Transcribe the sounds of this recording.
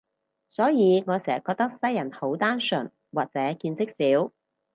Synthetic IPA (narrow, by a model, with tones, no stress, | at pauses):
sɔː˨˥jiː˨˧ŋɔː˨˧sɛː˨˩kːɔː˧k̚t̪ɐ˥k̚sɐ˥jɐ˨˩nho˨˥wt̪aː˥nsɵ˨˩n | waː˨k̚t͡sɛː˨˥kiː˧nsɪ˥k̚siː˨˥w